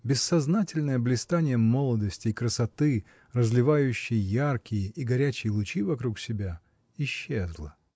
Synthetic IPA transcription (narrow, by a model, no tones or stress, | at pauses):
bʲɪsːɐznatʲɪlʲnəjəblʲɪst̪anʲɪjəmo̞lˠəd̪əsʲtʲɪːkɾəsɐt̪ɨ | rəzlʲɪvajʉɕːɪjjarkʲɪjəʔiɡɐɾʲæt͡ɕɪjlˠʊt͡ɕivɐkɾuksʲɪbʲa | ɪɕːezlˠə